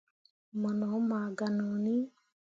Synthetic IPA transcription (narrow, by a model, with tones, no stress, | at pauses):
mɔ˨nɔ˨˦ma˨ɡa˨nɔ˨ni˦